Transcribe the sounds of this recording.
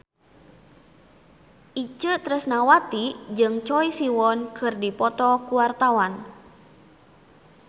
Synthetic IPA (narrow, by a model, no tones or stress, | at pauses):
ʔit͡ʃət̪ɾəsnawat̪id͡ʒɨŋt͡ʃɔisiwɔnkʰɨrdipɔt̪ɔkuwart̪awan